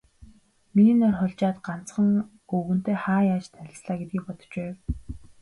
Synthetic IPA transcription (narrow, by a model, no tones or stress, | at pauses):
minɔrχʊɮt͡ɕaːt̪ɢan̥t͡sχə̆ŋ | ɵɣɵ̆n̥t̪eːχaːjaːt͡ɕt̪ʰæɮʲɪ̆ɮsɮaːɡet̪̚ɡiːk̚pɔt̪ɞ̥̆t͡ɕpæːw